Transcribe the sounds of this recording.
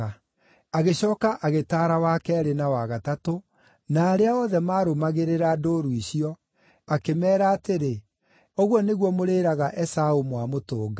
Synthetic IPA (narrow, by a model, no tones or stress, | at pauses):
a | aɣeɕɔːkaʔaɣetaːɾawakɛɾenawaɣatato | naːɾeaɔðɛmaːɾomaɣeɾeɾadoɾuiɕiɔ | akemɛːɾaːteɾe | ɔɣwɔneɣwɔmoɾeːɾaɣaʔɛsaomwamotoːɡa